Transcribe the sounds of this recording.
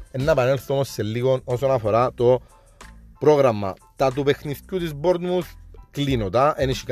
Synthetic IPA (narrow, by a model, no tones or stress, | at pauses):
enːɐepɐnelθomosːelːiɣonosonɐfoɾat̪o̞ | pɾoɣɾɐmːɐ̰ | t̪ɐt̪̬upexniðcut̪izboɾd̪musklinot̪ɐʔeniʃik